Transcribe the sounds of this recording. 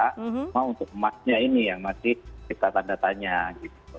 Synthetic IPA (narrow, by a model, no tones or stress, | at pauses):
amaunt̪ʊk̚əmasɲainijaŋmasɪhkit̪at̪andat̪aɲaɡit̪u